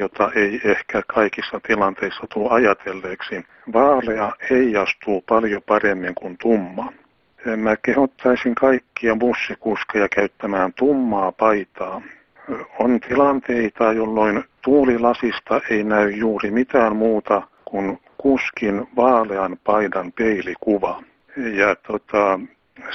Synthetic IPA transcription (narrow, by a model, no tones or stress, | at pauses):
jot̪ɑʔeiehkækʰɑikisːɑt̪ilɑnt̪eisːɑt̪uːɑjɑt̪ʰelːeːksi | ʋɑːleɑeiɑst̪uːpɑljopɑremːiŋkunt̪umːɑ | mækehot̪ːɑisiŋkɑikːiɑbusːikuskejɑkæyt̪ːæmæːnt̪umːɑːpɑit̪ɑː | ont̪ilɑnt̪eit̪ɑjolːoint̪uːlilɑsist̪ɑʔeinæyjjuːrimit̪æːmmuːt̪ɑ | kun | kuskinʋɑːleɑnpɑidɑnpeilikuʋɑ | jɑt̪ot̪ɑ